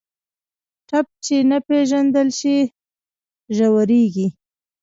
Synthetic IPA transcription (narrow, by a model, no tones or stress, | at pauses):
ʈap̚t͡ʃenapeʒand̪əlʃi | ʒawəɾeɡi